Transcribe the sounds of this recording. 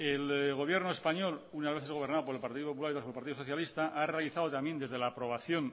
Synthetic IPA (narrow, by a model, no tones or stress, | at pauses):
elɣo̞β̞je̞ɾnoe̞spaɲo̞lunazβe̞θeɣ̞o̞β̞ɾnaðop̬oɾelpaɾt̪iðop̬opulaɾiolpaɾt̪iðoso̞θjalist̪aʔarealiθaðo̞t̪amje̞nd̪e̞zðe̞laːpɾo̞β̞aθjo̞n